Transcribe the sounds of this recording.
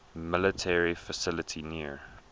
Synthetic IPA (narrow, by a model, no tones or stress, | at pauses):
mɪlətʰɛɹifəsɪlətʰiniə